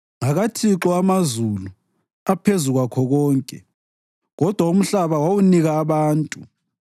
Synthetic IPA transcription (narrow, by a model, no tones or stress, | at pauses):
ŋaɣatʰiǁɔamazulu | apʰezuɣwakʰɔɣɔːŋkʼɛ̰ | ɣɔd̥ʱwaum̩ɬaβawawuniɣaːβaːntʼu